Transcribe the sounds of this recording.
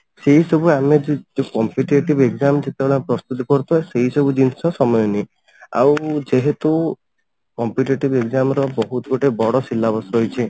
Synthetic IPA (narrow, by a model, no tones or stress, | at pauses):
seɦisɔbuamed͡ʒed͡ʒekɔmpiʈeʈibeɡzamd͡ʒet̪ebeɭɔpɾɔst̪ut̪ɔkɔɾut̪ʰueseɦisɔbud͡ʒinsɔsɔmɔjɔne | a̰wd͡ʒeɦet̪u | kɔmpiʈeʈibeɡzamɔɾɔbɔɦut̪ɔɡoʈebɔɽɔsilːabɔsɦojt͡ʃʰi